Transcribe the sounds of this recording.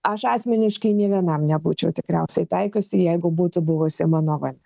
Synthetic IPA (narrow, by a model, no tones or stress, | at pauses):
ɐʃɑːsʲmʲɪnʲɪʃkɐɪnʲiɛʋʲiɛnɐmnʲɛbuːt͡ʃʲɛʊt̪ʲɪkɾʲɛʊsʲɛɪt̪ʲæɪkʲʊsʲɪjɛɪɡʊbuːt̪ʊbʊʋʊsʲɪmɑːnoːʋɐnʲɛ